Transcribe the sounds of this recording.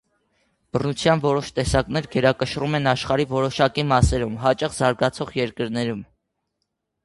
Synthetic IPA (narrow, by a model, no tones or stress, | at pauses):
b̥ərnut͡sʰjɑnvɔɾɔʃt̪ɛsɑknɛɾɡɛɾɑkəʃrumɛnɑʃχɑɾivɔɾɔʃɑkimɑsɛɾumɦɑt͡ʃɑχzɑɾɡɑt͡sʰɔʁjɛɾkəɾnɛɾum